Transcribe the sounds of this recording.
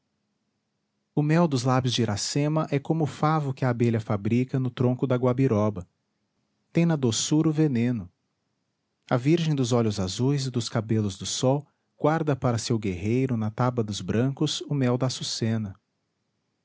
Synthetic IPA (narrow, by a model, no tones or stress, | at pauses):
ʊmɛwd̪ʊzlabjʊzd͡ʒɪɾʔasẽmɐʔɛkõmʊfavʊkɪɐːbeʎɐfabɾikɐnʊt̪ɾõkʊd̪ɐɡwabiɾɔbɐ | t̪ẽj̃nɐd̪osuɾʊvenẽnʊ | ɐviɾʒẽj̃d̪ʊzɔʎʊzazujzɪd̪ʊskabelʊzd̪ʊsɔw | ɡ̥waɾd̪ɐpaɾɐsewɡehejɾʊnɐt̪abɐd̪ʊzbɾɐ̃kʊzʊmɛwd̪ɐsusẽnɐ